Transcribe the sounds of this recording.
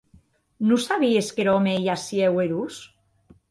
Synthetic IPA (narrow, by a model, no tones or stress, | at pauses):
nusaβieskeɾɔmejasieweɾus